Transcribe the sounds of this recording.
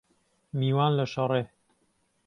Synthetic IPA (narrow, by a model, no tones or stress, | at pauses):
miːwaːnlɐʃɐɾˤeː